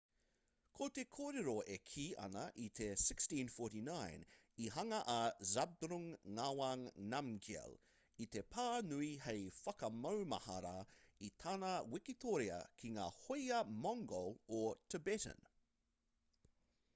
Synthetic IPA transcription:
kʰot̪ekʰoːɾeɾoekʰiːʔɐ̰nɐʔit̪ʰesɪkstĩnfoːtinajn | iɦɐŋɐʔɐzab̚d̪ɾuŋːawaŋnamɡɛ̰l | it̪epʰaːnuiɦejfɐkɐmɐwmɐ̰hɐɾait̪ʰaːnɐwɪkit̪oɾeɐ̰kʰiŋa̰ːhojɐmɔŋɡolot̪ʰəbɛtə̰̃n

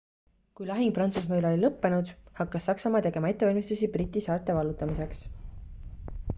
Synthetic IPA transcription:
kujlɑɦiŋɡprɑnt̪susmeːlo̞lʲilɤpːe̞nud̪̥hɑkːɑsːɑksɑmɑːt̪e̞ɡ̥e̞mɑe̞t̪ːe̞vɑlʲmist̪usibrit̪ʲːˑisɑːt̪ːˑe̞vɑlːut̪ːˑɑmise̞ks

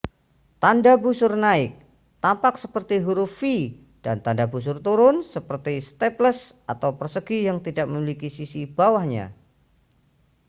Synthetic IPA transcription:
t̪andabusʊrnaɪk̚ | t̪ampaksəpərt̪iɦuɾʊfi | d̥a̰nt̪andabus̬ʊrt̪uɾʊnsəpərt̪ist̪ɛpləsat̪awpərsəɡijaŋt̪idak̚məmilikisisib̥awahɲa̰

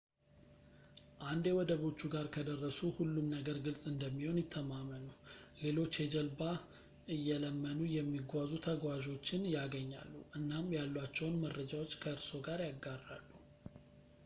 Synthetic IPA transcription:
ʔand̪jɛwɔd̪əβo̞t͡ʃːuɡaɾkʰəd̪ərːəsuhulːumnəɡəɾɡɨlsʼɨnd̪əmːiho̞njɪt̪ʰːəmamːənule̞lo̞t͡ʃːjɛd͡ʒəlba | ʔɨjːɛləmːənujɛmːiɡʷazut̪ʰəɡwaʒo̞t͡ʃːɪnjaɡəɲːa̰lːuʔɨnːamjalːwat͡ʃːɛwnmərːəd͡ʒawo̞t͡ʃːkʰəɨɾso̞ɡaɾjaɡːaralːu

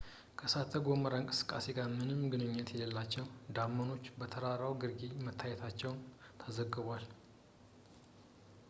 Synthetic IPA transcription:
kʰəsat̪ʰːəɡoməɾaɨŋkʼɨ̥sɨ̥kʼːa̰se̞ɡaɾmɨnɨmɡɨnɨɲːət̪jɛləlːat͡ʃːɛwd̪amːəno̞t͡ʃːbət̪ʰəɾaɾawɡɨɾɡimət̪ʰːajɛt̪ʰat͡ʃːɛwnt̪ʰəzəɡɨβʷal

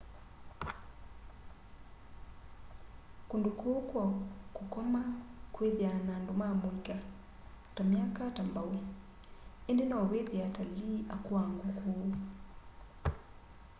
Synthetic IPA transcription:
kundukʰukwakukɔmakweðianandumamuiɡa | tamiakatambau | endenaoweðiataliːʔakuwaŋɡuku

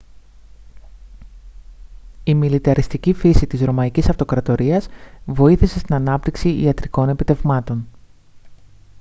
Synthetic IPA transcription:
imilit̪ɐɾist̪icifisit̪izɾo̞mɐicisɐft̪o̞kɾɐt̪o̞ɾiɐzvo̞iθise̞st̪inɐnɐp̚t̪iksiḭɐt̪ɾiko̞ne̞pit̪e̞vmɐt̪o̞n

